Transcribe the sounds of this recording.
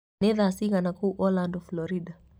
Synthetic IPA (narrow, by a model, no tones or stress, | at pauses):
ɛðasiɣanakuːʔɔlandɔflɔɾida